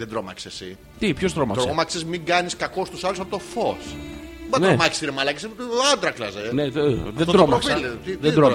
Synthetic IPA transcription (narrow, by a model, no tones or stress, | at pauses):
ðend̪ɾo̞mɐ̰ksesḭ | t̪ipçost̪ɾomɐ̰t̪sɐomɐksezmiŋɡɐniskɐko̞st̪usɐlusɐpo̞t̪o̞fo̞s | bɐneomɐci̥siɾemɐlɐkiseɐd̪ɾɐklɐzeneeðed̪ɾomɐksfilt̪iðed̪ɾo